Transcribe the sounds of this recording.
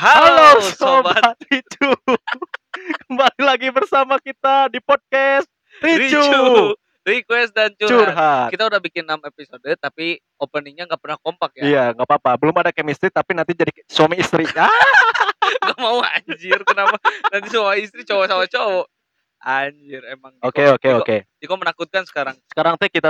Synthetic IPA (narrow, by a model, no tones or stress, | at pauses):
hahalosobaat̪it̪u | kəmbalilaɡibərsamakit̪adipɔd̚kɛst̪̚ | ɾirt͡ʃut͡ʃu | rikwɛst̪̚dant͡ʃut͡ʃurɦat̪kit̪audahbikɪnːamepisodət̪api | opəniɲaŋɡaʔpərnahkompak̚jaijaŋɡapapabəlʊmadakɛmist̪ɾit̪apinant̪id͡ʒadisuwamiːst̪ɾia | ɡaʔmaua̰ɲd͡ʒɪrkənapanant̪iswamiist̪ɾit͡ʃowasawat͡ʃowɔ | aɲd͡ʒɪremaŋokeokeoked͡ʒikomənakut̪̚kansə̥kaɾaŋsə̥kaɾaŋt̪ukit̪a